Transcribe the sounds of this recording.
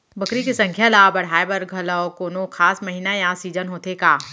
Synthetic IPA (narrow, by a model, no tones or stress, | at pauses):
bʱɐkɾikisɐ̃ŋkʰjalaːbɐɽ̤aːebɐɾɡʱɐlɔkoːnokʰaːsmɐɦiːnajãːsiːd͡ʒənɦoːt̪ʰekaː